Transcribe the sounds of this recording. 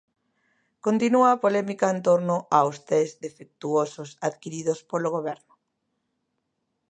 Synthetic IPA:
kont̪inuaːpolɛmikaent̪oɾnʊʔawst̪ɛzd̪efek̚t̪uosʊsaðkiɾiðospoloɣ̞oβ̞ɛɾnʊ

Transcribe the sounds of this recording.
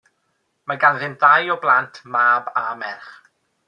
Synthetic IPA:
maɡanðɪnðajɔblˠantʰmaːbamɛrχ

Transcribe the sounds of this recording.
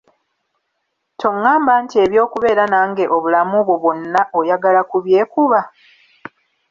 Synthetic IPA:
tʰo̞ŋːaːmbantie̞βjo̞ːkuβe̞ːɾanaːŋɡe̞ʔo̞βulamuβwo̞βo̞nːaʔo̞jaɡalakuβje̞ːkuβa

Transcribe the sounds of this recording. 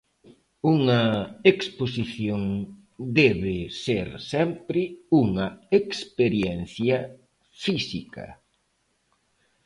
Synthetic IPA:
uŋɐeksposiθjoŋ | d̪ɛβɪseɾsɛmpɾɪuŋɐekspeɾjɛnθjɐ | fisikɐ̰

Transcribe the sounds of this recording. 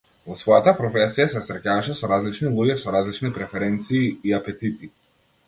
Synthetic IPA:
vɔsvɔjat̪apɾɔfɛsijasɛsɾɛcavaʃɛsɔɾazlit͡ʃnilˠuɟʲɛsɔɾazlit͡ʃnipɾɛfɛɾɛnt̪siːapɛt̪it̪i

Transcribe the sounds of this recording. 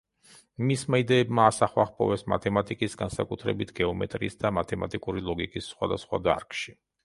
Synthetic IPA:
mismaid̪ɛːbmaːsaχwaχpʰʼɔ̰vɛsma̰t̪ʰɛmat̪ʼikʼisɡansakʼut̪ʰɾɛbit̪ʰɡɛɔmɛ̰t̪ʼɾḭːsd̪amat̪ʰɛmat̪ʼikʼuɾilˠɔɡikʼisːχwad̪asχwa̰d̪a̰ɾkʼʃi

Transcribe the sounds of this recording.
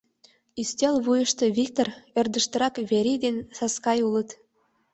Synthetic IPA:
isʲt̪ʲelβujə̆ʃt̪ɤ̆βʲik̚t̪orĕrd̪ə̆ʃt̪ɤ̆ɾɑkβʲeɾʲid̪ensɑskɑjulˠɤ̆t̪

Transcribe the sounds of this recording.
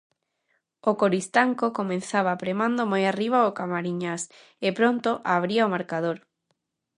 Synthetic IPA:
okoɾist̪aŋkokomẽnθaβapɾemãnd̪omojariβ̞aokamaɾiɲas | ɪpɾont̪oʔaβ̞ɾiaʊmaɾkað̞oɾ

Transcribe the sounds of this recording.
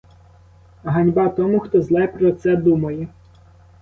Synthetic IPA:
ɦɐnʲbɑt̪ɔmuxt̪ɔzlˠɛjpɾɔt̪sɛd̪umɐjɛ

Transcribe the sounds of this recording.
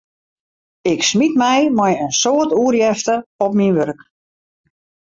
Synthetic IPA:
ɪksmitmɛjmɛjənsoːərtuərjɛftəɔpminʋørk

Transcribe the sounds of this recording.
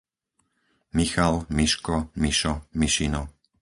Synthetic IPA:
mixalmiʃkɔmiʃɔmiʃinɔ

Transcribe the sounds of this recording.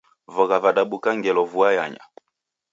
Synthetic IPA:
vɔɣavaɗaɓukaŋɡɛlɔvuajaɲa̰

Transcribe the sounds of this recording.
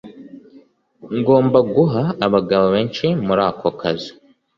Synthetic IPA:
ŋɡo̞ːmbaɡuɦaːβaɡaβoβeːnt͡ʃemuɾaːkʰokʰazi̥

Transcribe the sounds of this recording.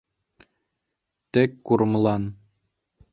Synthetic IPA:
t̪ɘ̆kkuɾmlˠɑn

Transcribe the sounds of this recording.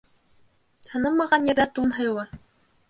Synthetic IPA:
hɤ̆nɤmːɑʁɑnjɘ̆ɾðæt̪unɦɤ̆jɤlˠɤ

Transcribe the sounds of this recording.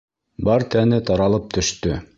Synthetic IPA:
bɑɾt̪ænɘt̪ɑɾɑlˠɤp̚t̪ʰɵ̆ʃt̪ɵ

